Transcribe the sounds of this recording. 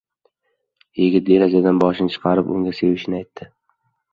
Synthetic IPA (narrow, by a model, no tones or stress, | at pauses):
jɪɡʲɪt̪̚belazad̪anbɒʃɪnɪt͡ʃʰɨ̥qʰɑɾɪpʊ̰ŋɡʲase̞vɪʃɪnɪajt̪ʰːɪ